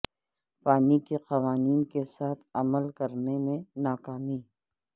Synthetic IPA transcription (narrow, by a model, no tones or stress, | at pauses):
paːnikeqɐʋaːniːnkesaːt̪ʰɐməlkɐɾnemẽnaːkaːmi